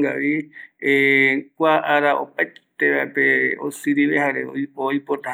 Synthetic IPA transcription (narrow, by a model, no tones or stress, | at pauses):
ɡaʋiekʷaʔaɾaʔo̰pajt̪eβapeo̰sɨɾiʋehaɾeooipot̪ah